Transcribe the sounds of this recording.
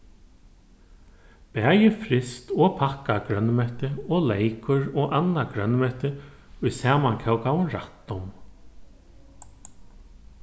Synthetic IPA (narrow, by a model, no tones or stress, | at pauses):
pɛːjɪfɾɪst̪ɔɣpʰakːakɾœnmɛht̪ɪɔːlejkʊɾɔːɣʔanːakɾœnmɛht̪ɪ | ʊjsaːmaŋkʰɛwkawʊnɾa̰ht̪ːʊm